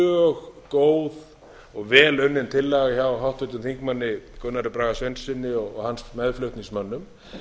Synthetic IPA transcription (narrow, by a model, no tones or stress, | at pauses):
œɣkoːwð | ɔɣvɛːlʏɥnːɪnt̪ʰɪlːaɣaçawɦawht̪œt̪ʏmθiŋkmanːɪkʏnːaɾɪpɾaːɣasvejnsɪnːɪɔɣɔ̰ɣansmɛðflœht̪niŋsmœnːʏm